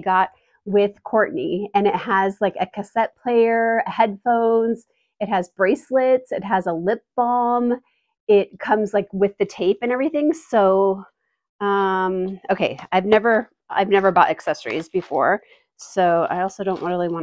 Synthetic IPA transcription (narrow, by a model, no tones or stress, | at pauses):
ɡɑt̚ | wɪð̥kʰɔɹʔniɨ̃nɨt̚həzlaɪkɨkʰɨsɛt̚pʰl̥eɪə˞hɛd̥fõʊ̃nz̥ | ɨt̚ɦɨzbɹeɪslɪtsɨt̚ɦəzəlɪp̚b̥ɑm | ɪt̚kʰʌ̃mzlaɪkwɨðɨtʰeɪpɨ̃nɛvɹiθɪ̃ŋsoʊ | ʌ̃moʊkʰeɪaɪvnɛvə˞ | a̰ɪvnɛvə˞bɑɾɨksɛsə˞ḭzbɨfɔ̰ɹ | soʊa̰ɪɔlˠsoʊɾõʊ̃nʔɹɪɹlˠiwɑ̃n